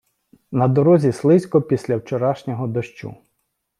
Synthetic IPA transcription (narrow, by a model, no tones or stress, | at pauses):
nɐd̪ɔɾɔzʲislˠɪsʲkɔpʲisʲlʲɐwt͡ʃɔɾɑʃnʲɔɦɔd̪ɐʃt͡ʃṵ